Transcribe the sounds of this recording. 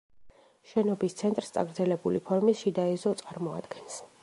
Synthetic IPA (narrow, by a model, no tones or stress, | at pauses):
ʃɛnɔbist̪sʰɛnt̪ʼɾst̪sʼa̰ɡɾd̪zɛlɛbulipʰɔɾmisʃid̪aɛzɔt̪sʼaɾmɔa̰d̪̥ɡɛns